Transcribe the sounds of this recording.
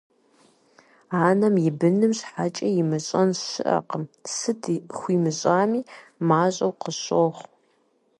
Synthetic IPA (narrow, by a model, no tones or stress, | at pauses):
aːnɐmjɪbɨnɨmɕħaːt͡ʃʼɐjɪmɨɕʼɐnɕɨ̰ʔɐ̰qəmsɨdxʷiːmɨɕʼaːmiːmaːɕʼɐwqəɕoːχʷ